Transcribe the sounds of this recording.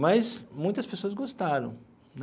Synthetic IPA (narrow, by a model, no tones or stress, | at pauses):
mɐsmũj̃t̪ɐspesoɐzɡost̪aɾɐ̰̃w̃ | n